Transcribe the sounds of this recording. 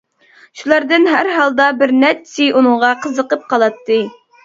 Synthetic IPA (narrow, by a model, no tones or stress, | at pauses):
ʃulˠɑɾd̪ɨnɦæɾɦɑlˠd̪ɑbɪɾnæt͡ʃsiʔunɨŋʁɑqʰəzəqəp̚qʰɑlˠɑt̪ːɨ